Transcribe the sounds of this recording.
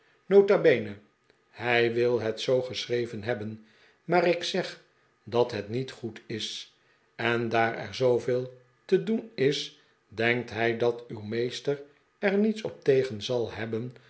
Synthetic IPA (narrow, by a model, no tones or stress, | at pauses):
nowtabejnə | hɛjʋɪlˠɦɛtsowχəsrejvənɦɛbən | maːʁɪksɛχ | dɑtɦɛtnitχutɪs | ɛndaːɹɛ̰ɹzowveːlˠ | tədunɪs | dɛŋk̚tɦɛjdɑtywmejstər | ɛɹnitsɔp̚tejχənzɑlˠɛbən